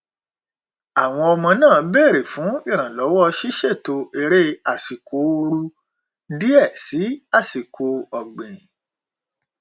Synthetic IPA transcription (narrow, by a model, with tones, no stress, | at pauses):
a˨w̃ɔ̃˧ɔ˧mɔ̃˧nãː˦˨˦be˦˨ɾe˨fũ˨˦i˦˨ɾ̃ã˨lɔ˨˦wɔ˦ʃi˦ʃe˦˨to˧e˧ɾe˦a˨si˨ko˧˦˧ɾu˧ | di˦ɛ˦˨si˨˦a˦˨si˨ko˧ɔ˨ɡ͡bẽ˨